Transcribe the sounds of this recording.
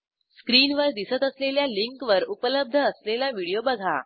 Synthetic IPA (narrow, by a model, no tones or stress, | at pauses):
skɾiːnʋəɾd̪isət̪əsleljaliŋkʋəɾupələb̚d̪ʱəːslelaʋiɽijobəɡʱa̰